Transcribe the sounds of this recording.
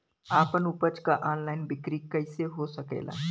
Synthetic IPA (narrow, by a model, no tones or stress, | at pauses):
aːpənupət͡ʃkaʔaːnlaːɪnbɪkɾikəɪseɦosəkḛːla̰ː